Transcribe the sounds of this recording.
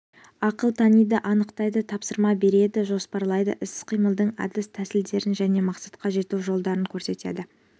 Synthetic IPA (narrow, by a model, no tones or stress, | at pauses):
ɑqəlˠt̪ʰɑnijd̪əʔɑnəqt̪ɑjd̪ət̪ʰɑpsəɾmɑbe̞ɾe̞d̪ɪʒo̞spɑɾlˠɑjd̪ə̰ʔɪsqʰijməlˠd̪əɴɑ̰d̪ɪst̪ʰæsɪld̪e̞ɾɪnʒæne̞mɑqsɑt̪̚qɑʒe̞t̪uʒo̞lˠd̪ɑɾəŋkʲʰɵɾse̞t̪e̞̰d̪ɪ